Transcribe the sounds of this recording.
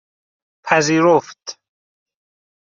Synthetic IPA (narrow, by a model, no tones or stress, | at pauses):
pʰæziːɾoft̪